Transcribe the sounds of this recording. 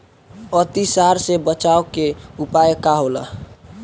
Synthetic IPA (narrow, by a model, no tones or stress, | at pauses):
ət̪isaɾsebət͡ʃaokeupajkaɦola̰